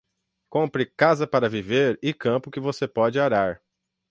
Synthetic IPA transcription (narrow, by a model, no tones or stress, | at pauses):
kõpɾɪkazɐpaɾɐviveɾɪkɐ̃pʊkɪvosepɔd͡ʒɪaɾaɾ